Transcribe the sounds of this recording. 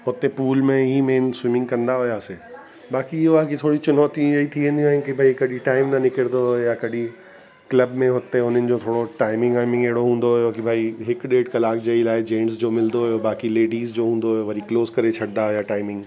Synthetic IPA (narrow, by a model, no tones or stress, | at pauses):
ɦʊt̪epuːlmẽɦimeːnswɪmɪ̃ŋɡkɐ̃nd̪aɦʊjaːse | baːkiɪɦoakit̪ʰoːɽit͡ɕʊnɔːt̪ĩɐit̪ʰiʋẽːnd̪iaːɦɪ̃nɪkibʱaːikɐɗʱiʈaːɪmnɐnɪkəɽd̪ojakɐɗʱi | klɐbmẽɦʊt̪eʊn̤ənɪ̆d͡ʑoːt̪ʰoːɽoʈaːɪmɪ̃ŋɡaːɪmɪ̃ŋɡeɦɪɽoɦũːn̆d̪oɦʊjokibʱaːiɦɪkɗeːɖkɐlaːkd͡ʑeilaːɪd͡ʑẽːɳsd͡ʑoːmɪld̪oɦʊjobaːkileːɖiːzd͡ʑoːɦũːn̆d̪oɦʊjoʋɐɾikloːskɐɾet͡ɕʰɐɽd̪aɦʊjaʈaːɪmɪ̃ŋɡ